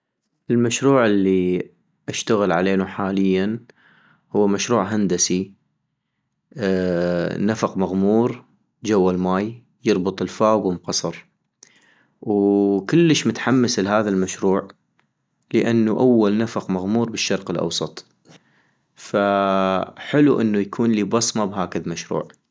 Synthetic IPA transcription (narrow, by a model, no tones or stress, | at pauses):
ʔɪlmaʃɾuːʕɪlːi | ʔaʃt̪aɣɪlʕaleːnuħaːlɪjːan | hʊːmaʃɾuːʕɦand̪asi | nafaqmaɣmuːɾ | d͡ʒawːalmaːj | jɨɾˤbɨt̪ˤɪlfaːɡwɪmqɑsˤɑɾˤ | wkɪlːəʃmʊt̪ħamːaslɦaːðalmaʃɾuːʕ | ləʔanːuʔawːalnafaqmaɣmuːɾbɪʃːɑɾˤqɪlʔɑ̰wsˤɑt̪ˤ | fa | ħɪluʔɪnːujakʰuːnliːbɑsˤmabhaːkaðmaʃɾṵːʕ